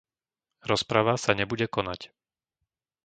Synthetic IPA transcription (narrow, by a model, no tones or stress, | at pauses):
ɾɔspɾaʋasaɲɛbuɟɛkɔnac